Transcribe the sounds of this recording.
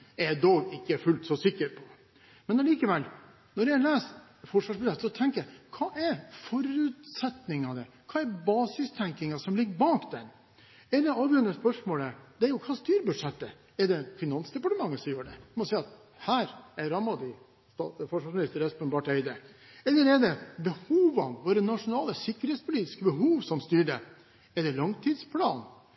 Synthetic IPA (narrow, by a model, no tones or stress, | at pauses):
ɛd̪oːɡɪkːəfʉlt̪sɔsɪkːəɾpʰɔ̥ | mɛnɑliːkəʋɛl | nɔɾjælæːs | fɔʂʋɑːʂbʉɛt̪ːsɔt̪ʰɛŋkəkʰɑːʔɛɾfɔɾʉːt̪sɛt̪nɪŋɑd̪əkʰɑːɛɾbɑːsɪst̪ʰɛŋkɪŋɑsɔmlɪɡːəɾbɑːkd̪ɛ̰n | ɛɾd̪ɛɑːʋjøːɾənəspœʂmoːləd̪ɛæɾjʊkʰɑːst̪yːɾbʉd̪ʂɛt̪ːə | ɛɾɖ̪ɛfɪnɑnsd̪ɛpɑʈəmɑŋːəsɔmjøːɖɛ̰mɔsɛɪɑt̪ | hæːɾɛɾɑmɑd̪ɪ | st̪ɑfɔʂʋɑʂmɪnɪst̪əɾɛʉpənbɑːʈœʏd̪ə | ɛlːəɾɛd̪ɛbəhuːʋɑnʋoːɾənɑʂʊnɑːləsɪkːəɾheːt̪spʰʊliːt̪ɪ̥skəbəɦuːʋsɔmst̪yːɖɛ | ɛɖ̪ɛlɑŋt̪ʰiːd̪spʰlɑ̰ːn